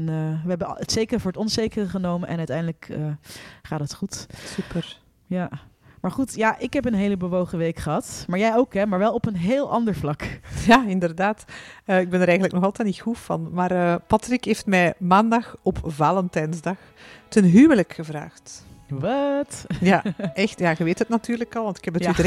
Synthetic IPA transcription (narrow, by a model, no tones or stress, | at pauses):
nəʋəɦɛbəətsejkərvʊːɹətɔnsejkərəχənowmənʔɛ̰nœɥtɛjndələkəχaːt̚dətχutsypər | ja | maːɹχutjaʔɪkɦɛpənɦejləbəʋowχəʋejkχəɦɑtmaːɹjɛjowkɦɛmaːɹʋɛlˠɔpənɦeːlˠʔɑndəɹvlɑkjaɪndərdaːtəɪɡ̚bɛnəɾɛjɣəntləknɔxɑlˠtɛtnitxufɑ̰nmaːrəːpɑtrikɦeːftmɛjmaːndɑxɔpvaːləntɛnzdɑx | tənɦyːwələkxəvra̰ːxtʋɑtjaʔɛxtjaɣɛʋeːthətnatyːrləkɑlˠʋɑntɪ̥khɛpətydə